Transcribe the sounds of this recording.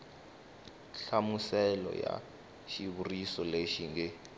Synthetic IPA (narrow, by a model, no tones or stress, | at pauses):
ɬamusɛlɔ̰ja̰ | ʃiβurisɔleʃiŋɡɛ